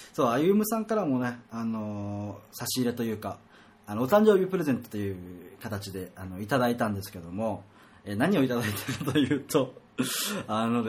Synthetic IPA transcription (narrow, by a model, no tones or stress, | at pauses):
so̞ːaiɯmɯ̟sãŋkaɾamo̞ne̞ano̞saɕiːɾe̞t̪o̞jɯ̟ːkaː | noːt̪ãɲ̟d͡ʑo̞ːbʲipɯ̟ɾe̞ze̞nt̪ot̪ojɯ̟ːkat̪at͡ɕid̪e̞ano̞it̪ad̪ait̪ãnd̪e̞sɨ̥ke̞d̪o̞mo̞ | eːnaɲ̟io̞it̪ad̪ait̪eɾɯ̟t̪ojɯ̟ːt̪o̞ | ano̞d̪